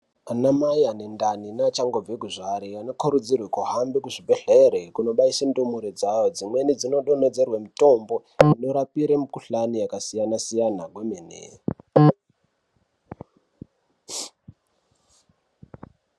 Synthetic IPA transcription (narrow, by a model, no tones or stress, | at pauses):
anamajanendaninat͡ʃaŋɡo̞vekuʐaɾiano̞koɾud͡zirwekuɦambikuʐibʱeɮeɾekuno̞ɓaisendumuɾed͡zajod͡zimwe̞nid͡zino̞ɗo̞ne̞d͡ze̞rwemito̞mbo̞ | ino̞ɾapiɾemukuɬanijakasijanasijanaɡwemenḛ